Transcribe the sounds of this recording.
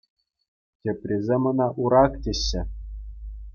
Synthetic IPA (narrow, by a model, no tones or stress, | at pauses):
tʲĕpʲrʲizʲemɤ̆nɑʔuɾɑktʲĕɕːɘ̆